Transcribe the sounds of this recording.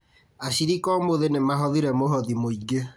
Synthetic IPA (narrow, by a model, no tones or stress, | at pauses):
aɕiɾikɔmoðenemaɦɔðiɾɛmoɦɔðimoiɡe